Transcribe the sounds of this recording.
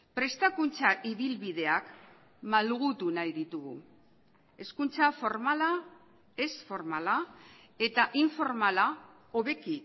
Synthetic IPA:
pɾe̞st̪akunt͡saʔiβilβiðe̞ak | malɣut̪unajðit̪uɣu | e̞skunt͡safoɾmala | e̞sfo̞ɾmala | e̞t̪aʔiɱfo̞ɾmala | oβe̞ki

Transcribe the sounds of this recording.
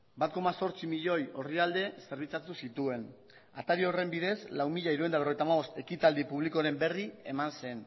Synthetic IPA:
bat̪ko̞maso̞ɾt͡simiʎo̞jo̞riald̪e̞se̞ɾβit͡sat̪usit̪ue̞n | a̰t̪aɾio̞re̞mbiðe̞zlawmiʎaiɾuend̪aβ̞rojt̪amaβo̞st̪e̞kit̪ald̪ipuβliko̞aɾe̞mbe̞rie̞manse̞n

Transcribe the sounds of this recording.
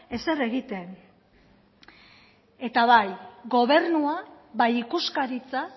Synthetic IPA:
e̞se̞ɾe̞ɣit̪e̞n | e̞t̪aβajɣo̞β̞e̞ɾnua | βajikuskaɾit͡sa

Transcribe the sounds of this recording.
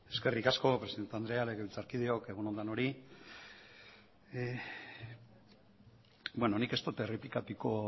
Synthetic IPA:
e̞ske̞rikasko̞pɾe̞siðe̞nt̪and̪ɾe̞alekeilt͡saɾkiðeo̞keɣunond̪ano̞ɾi | bweno̞nike̞st̪ot̪eriplikat̪uko̞

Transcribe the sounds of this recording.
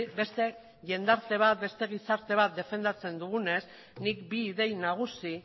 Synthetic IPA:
be̞st̪e̞ | ʝe̞nd̪aɾt̪e̞β̞at̪̚be̞st̪e̞ɣ̞isaɾt̪e̞β̞at̪̚d̪e̞fe̞nd̪at͡se̞nd̪uɣ̞une̞s | nik̚biːðe̞jnaɣ̞usi

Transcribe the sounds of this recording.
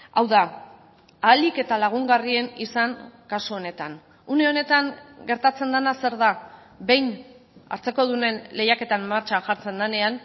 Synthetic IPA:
awða | aːlike̞t̪alaɣ̞uŋɡarie̞nisaŋkasuo̞ne̞t̪an | une̞o̞ne̞t̪aŋɡe̞ɾt̪at͡se̞nd̪anase̞ɾða | be̞jn | a̰ɾt͡se̞ko̞ð̞une̞nle̞jake̞t̪ammːaɾt͡ʃaʝaɾt͡se̞nd̪ane̞an

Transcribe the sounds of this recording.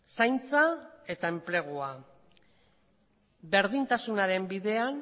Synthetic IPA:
sajnt͡sae̞t̪ae̞mple̞ɣ̞ua | be̞ɾðint̪asunaɾe̞mbiðe̞an

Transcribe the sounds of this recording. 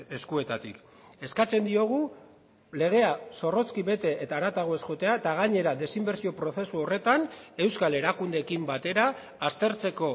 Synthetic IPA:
eskue̞t̪at̪ik | e̞skat͡se̞nd̪io̞ɣ̞u | le̞ɣ̞e̞aso̞ro̞t͡skiβe̞t̪e̞ʔet̪aːɾat̪aɣ̞oe̞sxo̞t̪e̞at̪aɣaɲe̞ɾaðe̞simbe̞ɾsio̞pɾo̞θe̞suo̞re̞t̪ane̞wskale̞ɾakund̪e̞kimbat̪e̞ɾaː | st̪e̞ɾt͡se̞ko̞

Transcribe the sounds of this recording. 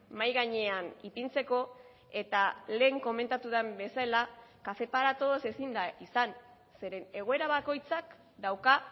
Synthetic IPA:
majɣaɲe̞anipint͡se̞ko̞ | e̞t̪ale̞ːŋko̞me̞nt̪at̪uðembe̞saelakafe̞paɾat̪o̞ðose̞sind̪aisan | se̞ɾe̞ne̞ɣ̞o̞e̞ɾaβako̞jt͡sak | d̪awka

